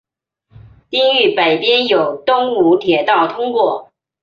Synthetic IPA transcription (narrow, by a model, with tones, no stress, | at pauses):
t̪i˥ŋy˥˩pe˨˩ɪpjɛ˥njo˨˩ʊt̪ʊ˥ŋu˧˥t̪ʰjɛ˨˩t̪ɑ˥˩ʊt̪ʰʊ˥ŋkwɔ˥˩